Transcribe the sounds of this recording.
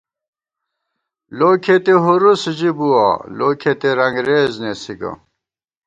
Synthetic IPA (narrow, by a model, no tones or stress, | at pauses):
loːkʰet̪eɦuɾusd͡ʑibuwa̰loːkʰet̪eɾɐŋɡɾeːznesiɡɐ̰